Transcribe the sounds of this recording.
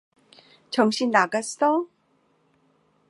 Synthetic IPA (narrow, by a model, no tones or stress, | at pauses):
t͡ɕʌŋɕʰinːaɡas͈ʌ